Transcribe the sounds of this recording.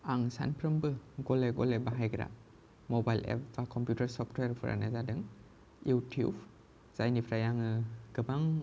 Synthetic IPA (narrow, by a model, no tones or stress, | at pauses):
aŋsa̰npʰɾɯmbɯɡɔlɛɡɔ̰lɛbaɦajɡɾa̰ | mɔbajlɛ̰pbakʰɔmpjutəɾsɔpʰtweɾpʰɯɾa̰na̰zadɯŋ | jutʰṵb | z̥ajnipʰɾajaŋɯɡ̥ɯbaŋ